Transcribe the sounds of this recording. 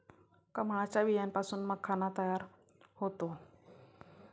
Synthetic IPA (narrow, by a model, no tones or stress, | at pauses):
kəmt͡ɕaʋijanpasuːnməɡ̚kʰːanat̪əjaɾ | hot̪o